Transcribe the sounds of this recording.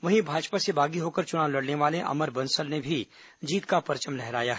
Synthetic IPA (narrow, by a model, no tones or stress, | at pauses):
ʋɐɦĩbʱaːd͡ʒpasebaːɡiɦoːkɐɾt͡ʃʊnaːʋwlɐɽneʋaːleʔɐ̰məɾbɐ̃nsəlnebʱi | d͡ʒiːt̪kapɐɾt͡ʃəmlɛɦɾaːjaɦ